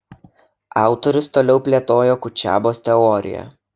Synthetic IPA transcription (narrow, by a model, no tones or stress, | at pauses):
ɑˑʊt̪ɔɾʲʊst̪oːlʲɛʊpʲlʲeɛt̪oːjoːkʊt͡ʃʲæ̰ːboːst̪ʲɛɔɾʲɪ̰jɛ̰